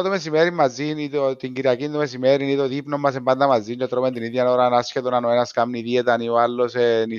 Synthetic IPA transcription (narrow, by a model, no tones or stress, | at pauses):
t̪omesimeɾimːazinit̪ot̪iŋɟiɾacind̪omesimeɾinit̪oðipnomːasemband̪ɐmazint͡ʃet̪ɾoment̪iniðʝanoɾanasçet̪onanoenaskamniðiet̪anioalːoseni